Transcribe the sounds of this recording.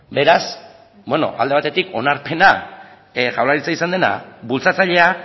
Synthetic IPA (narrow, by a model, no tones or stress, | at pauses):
be̞ɾas | bwe̞no̞̰ʔa̰ld̪e̞at̪e̞t̪iko̞naɾpe̞na | ʝawlaɾit͡saisand̪e̞na̰bult͡sat͡saʎe̞a